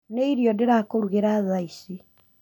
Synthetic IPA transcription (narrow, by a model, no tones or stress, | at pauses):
neiɾjɔdeɾakoɾuɣeɾaðaisi